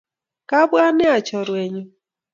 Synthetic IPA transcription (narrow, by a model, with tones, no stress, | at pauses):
ka˦bwa˦ne˦a˨t͡ʃɔ˨ɾwe˨ɲʊ˦